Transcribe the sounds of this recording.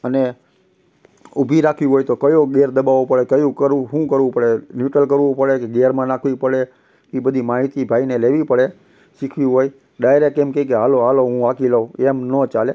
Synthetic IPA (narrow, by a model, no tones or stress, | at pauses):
əne | ʊbʱiɾakʰʋiɦojt̪okəjoɡeɾd̪əbaʋopəɭekəjũkəɾɦũkəɾʋũpəɭenjuʈəlkəɾʋũpəɭekeɡeɾmãnakʰʋipəɽe | kibəd̪ʱimaɦit̪ibʱaineleʋipəɭe | ʃikʰʋiɦoj | ɖajɾekːemkekeɦaloaloɦũʋakiləemnət͡ʃale